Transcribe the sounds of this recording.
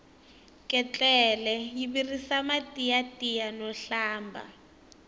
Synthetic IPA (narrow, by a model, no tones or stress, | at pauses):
kʼɛt͡ɬʼɛlɛjiβirisamatʼijatʼijanɔɬaːmbʱa̰